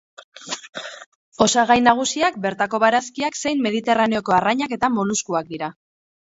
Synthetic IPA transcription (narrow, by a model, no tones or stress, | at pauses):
o̞saɣajnaɣ̞usiak̚be̞ɾt̪ako̞βaɾaskiakse̞jmːe̞ðit̪e̞raneo̞ko̞araɲake̞t̪amo̞luskuak̚d̪iɾa